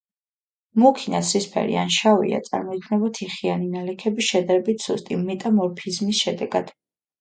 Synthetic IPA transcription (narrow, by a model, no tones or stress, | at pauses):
mukʰinasʰɾispʰɛ̰ɾḭa̰nʃavḭa̰t̪sʼa̰ɾmɔid̪ʰnɛbɔt̪ʰiχianinalɛkʰɛbisʃɛd̪aɾɛbit̪ʰsust̪ʼimɛt̪ʼamɔɾpʰizmisʃɛd̪ɛɡad̪̥